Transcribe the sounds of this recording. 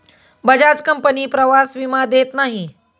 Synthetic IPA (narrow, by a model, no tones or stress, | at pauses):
bɐd͡ʒaːt͡ʃkəmpəniːpɾɐʋaːsʋimad̪eːt̪naːɦĩ